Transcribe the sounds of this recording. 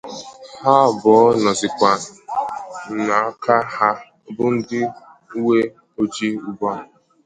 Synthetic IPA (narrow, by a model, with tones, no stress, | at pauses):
ha˦˨bɔ˨˦nɔ˨zɪ˨kʷa˨ | na˨a˦ka˦ha˦ | bʊ˦n̩˦dɪ˦ | u˦we˦ | o˦d͡ʒi˦u˦bɔ˦˨